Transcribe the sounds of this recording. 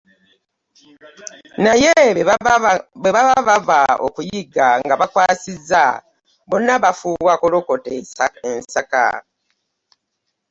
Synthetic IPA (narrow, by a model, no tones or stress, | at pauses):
naje | eβaaβavao̰kujiɡaŋɡaβakwaːsizːa̰ | bonːaβafuːwakoloko̞teaensaka̰